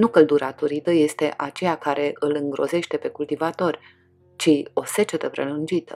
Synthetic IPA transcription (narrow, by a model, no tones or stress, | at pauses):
nukəld̪uɾat̪oɾit̪əje̞st̪e̞ʔat͡ʃe̞jakaɾe̞ʔɨlɨŋɡɾo̞̰ze̞ʃt̪e̞pe̞kult̪ivat̪o̞rʲ | t͡ʃio̞se̞t͡ʃe̞t̪əpɾe̞̰lund͡ʒit̪ə